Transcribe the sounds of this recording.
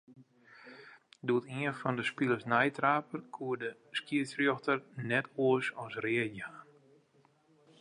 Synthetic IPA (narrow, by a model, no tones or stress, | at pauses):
duətiənfɔndəspilˠəsnɛjtraːpərkʰuːədə | skiəsrjoxtərnɛtʰoəsɔnsrɪəjaːn